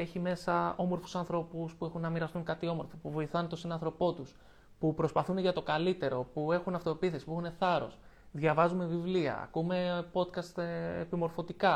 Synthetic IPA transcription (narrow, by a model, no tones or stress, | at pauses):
e̞çime̞sɐo̞mo̞ɾfu̥sɐnθɾo̞puspue̞xunːɐmiɾɐst̪uŋkɐt̪io̞mo̞ɾfopuvo̞iθɐnt̪o̞sinɐnθɾo̞po̞t̪us | pupɾo̞spɐθuneʝɐt̪o̞kɐlit̪e̞ɾo̞pue̞xunɐft̪o̞epiθe̞si̥puexune̞θɐɾo̞̰s | ðʝɐvɐzume̞vivliɐ̰ɐ̰kume̞po̞t̪kɐst̪epimo̞ɾfo̞t̪ikɐ